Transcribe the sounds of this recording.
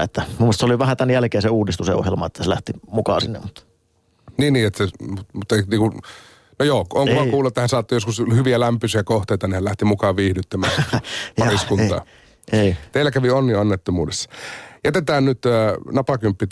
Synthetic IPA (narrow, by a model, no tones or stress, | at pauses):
et̪ːæmumuest̪soliʋæhæt̪ænjælkeːnseuːdist̪useo̰hjelmɑet̪ːæselæ̰ht̪imukɑ̰ːsinːḛmmut̪ː | niːnːiːet̪ːæsemut̪mut̪ːniːŋku | nojoːkʔoːŋkomɑkuːluet̪ːhænsɑːt̪ːojoskushyʋiælæmpysiækoht̪eˑit̪ɑnihælæht̪imukɑːʋʋiːhdyt̪ːømæːɑriskunt̪ɑ̰ː | eit̪eilːˑækæʋionːiɑnːet̪ːomuːdesːɑ̥jæt̪et̪æːnnyt̪ənɑpɑkympːi